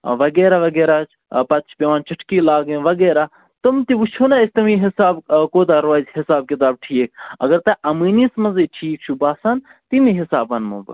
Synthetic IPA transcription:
ʋɐɡeːɾaʋɐɡeːɾaːt͡ʃʰ | pɐt̪t͡ʃʰpʲeʋaːnt͡ʃɐʈʰkiːlaːɡẽʋɐɡeːɾaː | t̪umt̪iʋut͡ʃʰuːnaesʲt̪ɐmiɦɪsaːbkoːt̪aːɾʋaːzʲɦɪsaːb̚kɪt̪̬aːb̚ʈʰiːk̚ʰɐ̰ɡɐɾt̪ɐʔɐmiːniːsmɐziʈʰiːk̚t͡ʃʰubaːsan | t̪imiɦɪsa̰ːbɐnmṵːbɐ̰

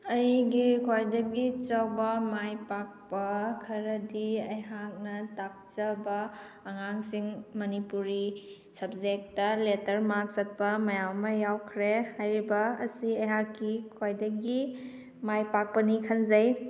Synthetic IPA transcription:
ɐjɡikʰojdɐɡit͡ʃɐwbɐmajpak̚pɐkʰɐɾɐdiɐjɦak̚nɐtak̚t͡ʃɐbɐː | ŋaŋsiŋmɐnipuɾi | sɐb̚d͡ʒek̚tːɐletɐɾmak̚sɐt̚pɐmɐjawmɐjawkʰɾehajɾibɐ̰ːsiɐjɦakːikʰojdɐɡi | majpak̚pɐnikʰɐnzɐj

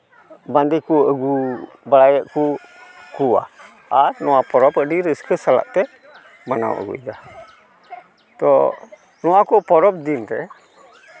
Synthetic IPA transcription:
band̪ikuəɡu | bəlajəʔku | kua̰ | aɾnuapɔɾɔpədiɾəskəsala̰ʔt̪ɛ | məna̰wə̰ɡṵid̪a | t̪ɔ̰ | nuakupɔɾɔp̚d̪inɾɛ

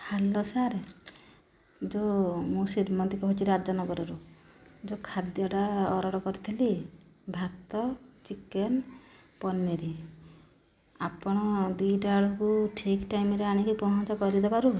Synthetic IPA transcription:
halɔsaɾ | d͡ʒomũsiɾmɔt̪ikɔɦot͡ʃiɾad͡ʒɔnɔɡɔɾɔɾu | d͡ʒokʰad̪jɔʈaɔɾɔɽɔkɔɾit̪ʰilibʱat̪ɔt͡ʃiken | pɔnːiɾi | apɔɽ̃ɔd̪uɖaɭɔkuʈʰikʈajmɾeaɽ̃ikipɔɦɔnt͡ʃɔkɔɾid̪ebaɾu

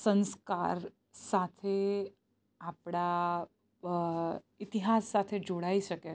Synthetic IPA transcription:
sə̃nskaɾ | sat̪ʰe | apɽ̃a | it̪iɦasːat̪ʰed͡ʒoɽaiʃəke

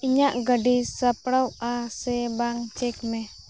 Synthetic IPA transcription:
iɲaʔɡaɖisapɽawasɛbaŋt͡ʃɛk̚mɛ

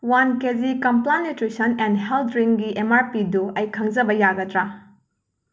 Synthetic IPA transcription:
wankezikɐmplanːutɾisɐnendɦeltɾiŋɡiʔemaɾpiduɐjkʰɐŋzɐbɐjaɡɐtɾa

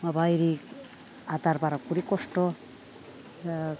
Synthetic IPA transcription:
mabajɾik | at̪aɾbaɾakuɾikɔsʈɔ

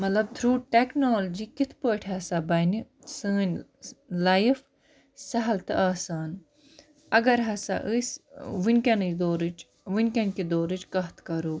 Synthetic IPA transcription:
mɐt̪lɐb̚t̪ʰɾuːʈeknoːld͡ʒiːkit̪ʰpoːʈʰɦɐsabɐni | sɨːnʲlɐjf | sɐɦɐlt̪ɨʔaːsaːn | ɐɡɐɾɦɐsa̰ʔɨsʋinʲkʲɐnd̪oːɾɨt͡ʃ | ʋɨnʲkɐnkid̪oːɾɨt͡ʃkɐɦt̪ʰkɐɾoː

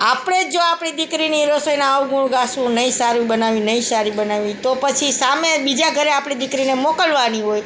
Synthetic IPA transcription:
apɽ̃ed͡ʒoapɽ̃id̪ikɾiniɾəsəjnaawɡuɳ̃ɡasũnəĩsaɾibənaʋinəĩsaɾibənaʋit̪opət͡ʃʰisamebid͡ʒaɡʱəɾeapɽ̃id̪ɪkɾinemokəlʋaniɦoj

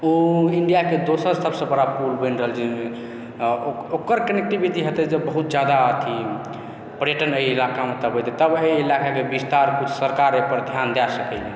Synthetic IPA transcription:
oiɳɖijaked̪osəɾsəbsə̃pəɾapuɾbənɾəɦəld͡ʒi | okəɾkənek̚ʈibiʈ̪iɦət̪ɛd͡ʒebəɦut̪̚d͡ʒad̪aət̪ʰi | pəɾjəʈənəjilakamet̪əbʱɦot̪et̪əbəjilakakebist̪aɾkut͡ʃʰsəɾkaɾepəɾd̪ʱjand̪asəkɛlɛ

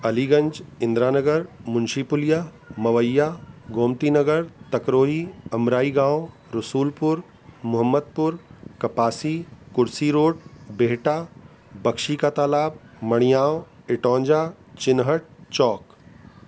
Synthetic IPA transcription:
ɐliɡɐ̃nd͡ʒɪ̃nd̪ɾaːnəɡəɾmʊnʃipʊlijaː | mɐʋəjːaːɡoːmt̪inɐɡəɾt̪ɐkɾoːɦiːɐmɾaːiɡãːw | ɾʊsuːlpʊɾ | mʊɦəmːəd̪̚pʊɾkɐpaːsikʊɾsiɾoːɖbeːʈaː | bɐkʃikat̪aːlaːb̚mɐɽ̃ijaːoɪʈɔ̃ːɲd͡ʒaː | t͡ʃɪnɦəʈ̚t͡ʃɔːk

